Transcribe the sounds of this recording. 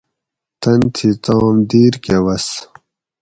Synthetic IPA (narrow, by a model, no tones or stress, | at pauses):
t̪ɐnt̪ʰit̪ɑːmd̪iːɾkewɐs